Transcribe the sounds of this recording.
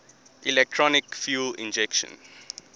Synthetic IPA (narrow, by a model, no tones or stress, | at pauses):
ʔilɛk̚tʰɹɔnikfjuːlḭ̃nd͡ʒɛkʃə̰̃n